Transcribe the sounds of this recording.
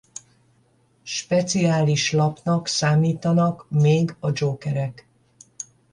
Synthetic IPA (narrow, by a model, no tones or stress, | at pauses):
ʃpɛt̪siaːliʃlɒpnɒksaːmiːt̪ɒnɒkmeːɡɒd͡ʒoːkɛɾɛk